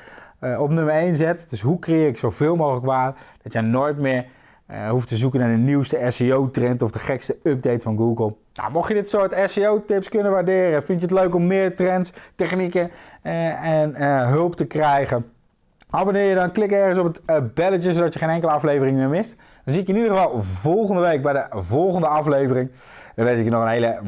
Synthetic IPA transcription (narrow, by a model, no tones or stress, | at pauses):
ɔpnøməɹejnzɛtdøsɦukrejɪːrɪksowvɪːlˠmowxələkʋaːtd̥ɑtjənojtmɪːɹ | ɦuftəzukənaːɹdəniwstəɛseowtrɛntɔfdəχɛkstəøp̚dejtfɑnɡuɡəlˠ | na̰mɔxjədɪtsoːɹtɛseowtɪpskønəʋaɹdɪːrəfɪntjətløɥkɔmːɪːɹtrɛntstɛχnikə | ɛnɦɵlˠptəkrɛjχən | ɑbonɪːɹjədɔnklɪkɛɹχənsɔpətbɛlətəzowdɑtjəχejnɛŋkələɑflejvərɪŋmɪːɹmɪst | d̥ɔnziɪkɪnidəχəvɑlˠvɔlˠχəndəʋejk̚bɛjdəvɔlˠχəndəɑflejvərɪŋ | əʋɛnsɪkənɔχənɦejlə